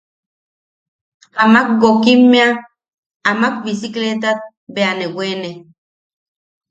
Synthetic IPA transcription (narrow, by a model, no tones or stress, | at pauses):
amak̚ɡokimːea | amak̚bisiklet̪at̪̚ | beanewene